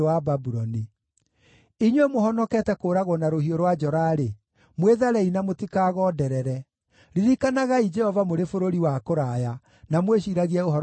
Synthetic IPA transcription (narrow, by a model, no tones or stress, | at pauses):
wababuɾɔni | iɲwemoɦɔnɔkɛːtɛkoːɾaɣɔnaɾohioɾwad͡ʒɔɾaɾe | mweðaɾɛinamotikaːɣɔdɛɾɛɾɛ | ɾiɾikanaɣaid͡ʒɛhɔvamoɾefoɾoɾiwakoɾaja | namweɕiɾaɣiaohɔɾ